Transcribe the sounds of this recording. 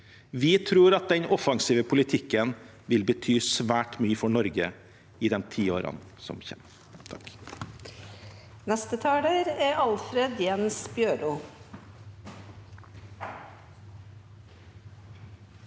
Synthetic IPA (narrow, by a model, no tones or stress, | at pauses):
ʋɪt̪ʰɾuːɾɑt̪̚d̪ɛnɔfɑŋsiːʋəpʰʊlɪt̪ʰɪkːən | ʋɪlbət̪ʰyːsʋæːʈmyːəfɔɳɔɾɡə | ɪd̪ɛmt̪ʰiːoːɾɑ̰n | sɔ̰mçɛ̰ːm | t̪ʰɑk | nɛst̪ət̪ʰɑːɖəɾæɑlfɾed̪jɛnsbjøːɖuː